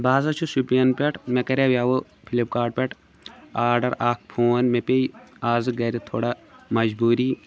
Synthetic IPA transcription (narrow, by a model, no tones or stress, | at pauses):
baːzɐt͡ʃʰusupiɐnpʲeʈʰmekɐɾewjaːwo | pʰilip̚kaːɖ̚pʲeʈʰ | aːɾɖɐɾaːk̚ʰpʰoːnmepejaːzɨɡɐɾit̪ʰoːɽamɐd͡ʒbuːɾi